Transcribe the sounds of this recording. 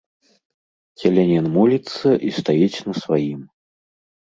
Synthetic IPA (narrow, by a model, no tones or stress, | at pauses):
kʲɛlʲɛnʲɛnmulʲit̪sːɐʔist̪ajit͡sʲnɐsvajim